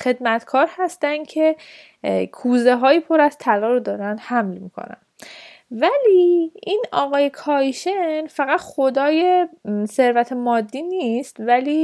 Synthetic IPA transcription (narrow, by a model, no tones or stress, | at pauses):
χe̞d̪mæt̪ʰkʰɒːɾhæst̪ænd̪̥cʰe̞ | kʰuːze̞ɦɒːjiːpʰo̞ɾæz̥t̪ʰælɒːɾod̪ɒːɾænd̪hæmlmikʰo̰næ̰n | væliːʔinɒːɣɒːjekʰɒːjʃenfæɣæt̪χo̞d̪ɒːje̞se̞ɾvæt̪ʰemɒːd̪ːiːniist̪væliː